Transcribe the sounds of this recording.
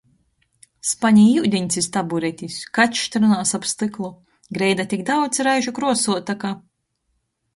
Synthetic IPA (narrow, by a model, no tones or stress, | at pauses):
spaɲijiwd̪ʲiɲʲsʲist̪abuɾɛt̪ʲiskat̪ːt̪ʲɾunaːsapst̪ɨklˠu | ɡɾɛjd̪at̪ʲikd̪awd̪sʲɾajʒukɾuɔsuɔt̪aka